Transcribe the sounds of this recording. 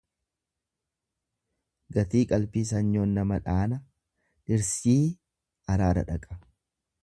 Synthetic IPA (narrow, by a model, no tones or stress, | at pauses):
ɡɐt̪iːkʼɐlpiːs̬ɐɲːoːnːɐmɐᶑaːnɐ | ᶑɪɾsiː | ɐɾaːɾɐ̰ᶑɐkʼɐ̥